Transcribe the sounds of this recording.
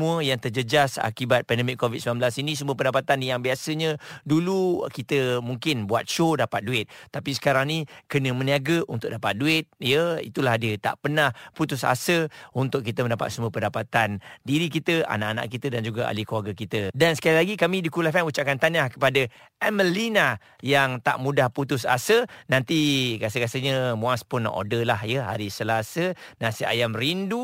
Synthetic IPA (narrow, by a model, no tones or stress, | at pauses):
muəjaŋt̪əd͡ʒəd͡ʒasa̰kibat̪̚pɛndəmɪkːovid̪səmamblasinĩs̬əmuəpəndapat̪anjaŋbiasəɲə̃dulukit̪əmuŋkɪnbua̰t̪̚ʃodapat̪̚duɪt̪̚t̪ːapisə̥kaɾaŋnĩkənə̃mə̃niaɡəʔunt̪ʊʔ̚dapat̪̚duɪt̪̚jəḭt̪ulahdiət̪a̰ʔpənahput̪ʊsa̰səunt̪ʊk̚ːit̪əməndapa̰t̪̚səmuəpəndapat̪andiɾikit̪əʔa̰na̰ʔana̰ʔkit̪ədand͡ʒuɡaʔa̰likəlaɡakit̪ədansə̥kalilaɡikamĩdikulafɛnut͡ʃaʔkant̪anahkə̥padə | ɛməlina | jaŋt̪a̰ʔmudahput̪ʊs̬a̰sənant̪ikasəkasəɲəmũaspʊna̰ʔo̰dəlahjəɦa̰ɾisəlasənasia̰jamrindu